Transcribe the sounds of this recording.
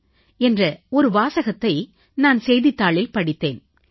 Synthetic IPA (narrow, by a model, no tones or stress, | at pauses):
ɛndrɐɔɾɯʋaːsɐɣɐt̪ːɐɪ | naːnsɛjðɪt̪ːaːɭɪlpɐɽɪt̪ːeːn